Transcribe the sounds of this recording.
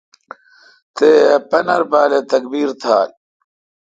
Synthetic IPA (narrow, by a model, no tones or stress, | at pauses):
t̪eːpɐnɐɾpaːlet̪ɐkbiːɾt̪ʰaːl